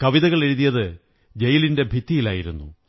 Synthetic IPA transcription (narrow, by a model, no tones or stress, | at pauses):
kɐʋiðɐɣɐɭe̞ɻuðijɐðɨ | d͡ʑɐjilinde̞bʱit̪ːijila̰ːjiɾunːṵ